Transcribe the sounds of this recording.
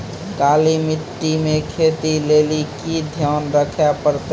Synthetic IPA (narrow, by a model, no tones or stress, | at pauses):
kalimiʈːimekʰet̪ilelikid̪ʱjaːnɾəkʰjapəɾt̪